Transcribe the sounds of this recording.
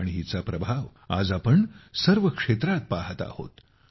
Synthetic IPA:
ɽ̃iɦit͡sapɾəbʱaʋa̰d͡zapəɳsəɾʋəkʂet̪ɾat̪̚paɦət̪a̰ho̰t̪

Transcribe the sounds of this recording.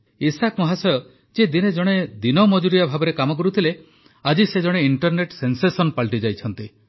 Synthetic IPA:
isakmɔɦasɔjɔ | d͡ʒed̪ined͡ʒɔɽ̃ed̪inɔmɔd͡ʒuɾijabʱabɔɾekamɔk̬ɔɾut̪ʰile | ad͡ʒised͡ʒɔɽ̃eiɳʈɔɾneʈsensesɔnpaɭʈid͡ʒajt͡ʃʰɔnt̪i

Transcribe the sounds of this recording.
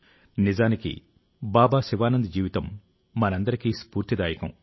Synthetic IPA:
nid͡ʒaːnikḭ | baːbaːsiʋaːnɐnd̪ɐd͡ʒiːʋit̪ɐmː | ɐnɐnd̪ɐɾikiːspuːɾt̪id̪aːjɐkɐ̰m

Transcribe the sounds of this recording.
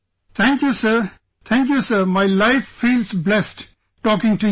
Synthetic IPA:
t̪ʰæ̃ŋkjusəɾ | t̪ʰæ̃ŋk̬jusəɾmaɪlaɪffiːlsblɛsʈ | ʈɔːkɪ̃ŋʈu

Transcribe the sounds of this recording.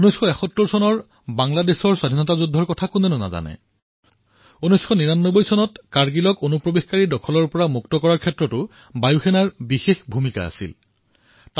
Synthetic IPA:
unɔjsxʰɔɛxɔtːuɹsɔnɔɹ | baŋladesɔɹsadʱinɔtazudʱːɔɹkɔtʰakunɛnʊna̰za̰nɛ̰ | unɔjsxɔniɹanːɔbojsɔnɔtkaɹɡilɔkonupɹobixkaɹidɔkʰɔlɔɹpɔɹamuktɔkɔɹaɹkʰɛtːɹɔtʊ | bajuxɛnaɹbixexbʱumika̰a̰sḭl | t

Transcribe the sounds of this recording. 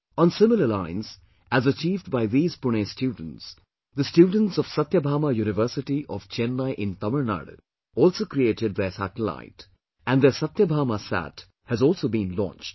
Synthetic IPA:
ɔ̃ːnsɪmələlãɪ̃nz | æzət͡ʃiːvɖbaɪðiːzpʊnesʈjuːɖə̃n̩ʈs | d̪əsʈjuːɖⁿə̃ntsɔʋ̥sʌt̪jəbʱaːmajuːnɪʋəɾsɪʈiʔɔʋt͡ʃɛ̃nːaɪʔɪ̃nt̪ʌməɾna̰ːɽo̰ | ɔːlsoːkɾieːʈɪɖ̚d̪esæ̰ʈəla̰ɪt | æ̃nd̪esʌt̪jəbʱaːmasæ̰ʈ | hæzɔːlˠsoːbĩnlɔ̰̃nt͡ʃʈ

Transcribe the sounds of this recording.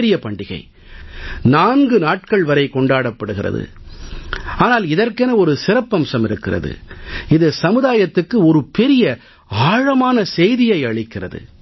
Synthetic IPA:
ɾɪjɐpɐɳɖɪɣɐ̰ɪ | naːnɡɯnaːʈ̚kɐɭʋɐɾɐɪkɔɳɖaːɽɐpːɐɽɯɣɪrɐ̰ðɯ̰ | aːnaːlɪðɐrkɛnɐɔɾɯsɪɾɐpːɐmsɐmɪɾɯkːɪrɐ̰ðɯ̰ɪðɯsɐmɯðaːjɐt̪ːɯkːɯɔɾɯpɛɾɪjɐ | aːɻɐmaːnɐsɛjðɪjɐɪɐɻɪkːɪrɐ̰ðɯ̰

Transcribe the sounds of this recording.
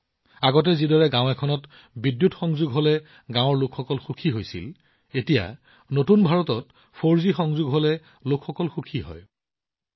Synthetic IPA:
aɡɔt̬ɛzidɔɹɛɡãʊ̃ɛkʰɔnɔt | bidjutxɔŋzuɡɦolɛ | ɡãwɔɹlokʰxɔkɔlxukʰiɦojsḭl | etija̰ | notunbʱaɹɔtɔt | pʰoɹzixɔŋzuɡɦolɛ | lokʰxɔkɔlxukʰiɦɔ̰j

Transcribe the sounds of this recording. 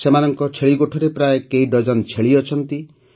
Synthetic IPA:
semanɔŋkɔt͡ʃʰeɭiɡoʈʰɔɾepɾaekeiɖɔd͡ʒɔnt͡ʃʰeɭiɔt͡ʃʰɔnt̪i

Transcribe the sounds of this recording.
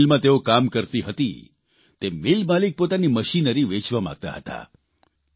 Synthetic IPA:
lmãt̪eokamkəɾt̪iɦət̪ḭ | t̪emɪlmalik̚pot̪animəʃinəɾiʋet͡ʃʋamã̰ɡ̚t̪a̰ɦət̪a̰

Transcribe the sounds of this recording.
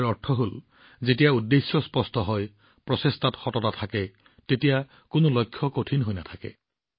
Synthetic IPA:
ɹɔɹtʰɔɦol | zetijaudːesjɔspɔstɔɦɔj | pɹɔsestatxɔtɔtatʰakɛ | tetija | kʊnolɔjkʰjɔkotʰinɦojnatʰakɛ̰

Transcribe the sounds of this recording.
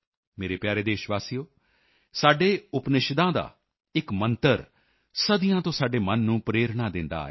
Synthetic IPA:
meːɾeːpjaːɾeːd̪eːʃʋaːsijoː | saːɖeːʊpnɪʃd̪ãːd̪a̰ː | ɪkmənt̪əɾ | səd̪ɪjãːt̪õːsaːɖeːmənːũːpɾeːɾɳaːd̪ɪnd̪a̰ːeː

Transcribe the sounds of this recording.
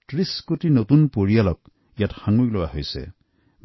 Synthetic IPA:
tɹiskotinot̪unpoɹijalɔk̚ | jatxaŋuklowaɦojsḛ

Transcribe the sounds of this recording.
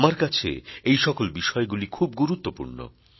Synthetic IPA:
maɾkat͡ɕʰḛejʃɔkolbiʃɔeɡulikʰub̚ɡuɾut̪ːopṵɾno̰

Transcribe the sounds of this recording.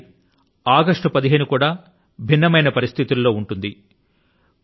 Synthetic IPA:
aːɡɐʂʈupɐd̪iɦe̞ːnukuːɽaː | bʱinːɐmɐjnɐpɐɾist̪ʰit̪ulːo̞ːuɳʈund̪i

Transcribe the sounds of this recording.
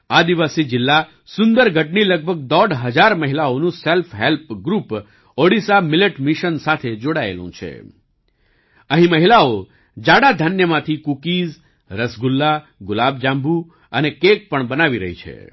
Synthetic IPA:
ad̪iʋasid͡ʒɪlːa | sʊnd̪əɾɡʱəʈniləɡ̚bʱəɡ̚d̪ɔɖɦəd͡ʒaɾməɦilaonũselfɦelpɡɾup | oɽisamɪleʈmiʃənsat̪ʰed͡ʒoɽaḛlṵ̃t͡ʃʰḛ | əɦĩməɦilao | d͡ʒaɽad̪ʱənjəmãt̪ʰikukiz | ɾəsɡulːa | ɡʊlab̚d͡ʒãmbʱu | ənekek̚pəɳbənaʋiɾə̰ɦit͡ʃʰḛ

